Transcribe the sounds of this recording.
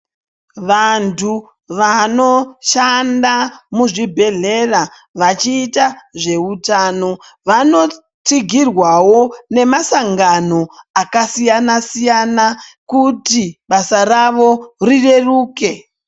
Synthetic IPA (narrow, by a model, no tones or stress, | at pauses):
ʋantʰu | ʋano̞ʃandamuʐibʱe̞ɮe̞ra | ʋat͡ʃiːtaʐe̞utaːno̞ | ʋano̞ | t͡siɡʱirwawo̞ne̞masaŋɡano̞akasijanasijanakutiɓasaraʋo̞rire̞ruːke̞